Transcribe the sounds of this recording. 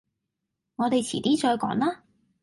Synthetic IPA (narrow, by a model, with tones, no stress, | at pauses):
ŋɔː˨˧t̪e˨jt͡sʰiː˨˩t̪iː˥t͡ʃɔː˧jkɔ̰ː˨˥ŋlaː˥